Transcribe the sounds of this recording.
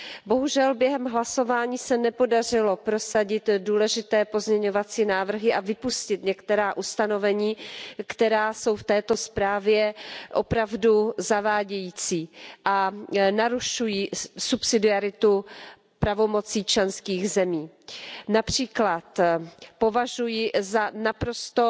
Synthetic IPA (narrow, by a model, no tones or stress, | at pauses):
bo̞ɦuʒɛlbjɛɦɛmɦlaso̞vaːɲiːsɛnɛpo̞dar̝ɪlo̞pɾo̞saɟɪt̪duːlɛʒɪt̪ɛːpo̞zɲɛɲo̞vat͡siːnaːvr̩ɦɪʔavɪpuscɪt̪ɲɛkt̪ɛɾaːʔust̪ano̞vɛɲiːkt̪ɛɾaːso̞wft̪ɛːt̪o̞spɾaːvjɛʔo̞pɾavduzavaːɟɛjiːt͡siːʔanaɾuʃujiːsupsɪdɪaɾɪt̪u | pɾavo̞mo̞t͡siːt͡ʃlɛnskiːɣzɛmiː | napr̝̥iːklat̪po̞vaʒujɪzanapɾo̞st̪o